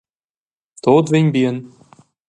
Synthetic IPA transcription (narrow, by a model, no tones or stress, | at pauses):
t̪ot̪venʲbiən